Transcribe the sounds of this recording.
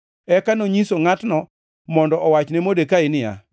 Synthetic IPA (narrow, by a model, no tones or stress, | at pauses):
ɛkanoɲisoŋatnɔ | mɔndɔʔɔwat͡ʃnɛmodekaɪnɪja̰